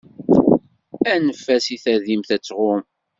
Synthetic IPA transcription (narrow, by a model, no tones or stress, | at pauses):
ænəfːæsiθæðimθæt͡sːʁʊm